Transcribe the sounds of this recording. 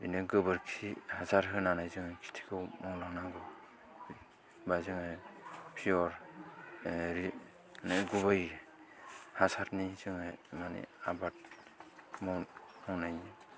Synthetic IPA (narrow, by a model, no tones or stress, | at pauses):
bḭnɯɡɯbɯɾkʰihasaɾɦɯnanajzɯŋakʰi̥tʰi̥kʰɯwmɔwlaŋnaɡɯ | bazɯŋajpʰijɔɾ | ɾi | naɡubaj | hasaɾnizɯŋajmanḛabat̚ | mɔwhɔŋnajni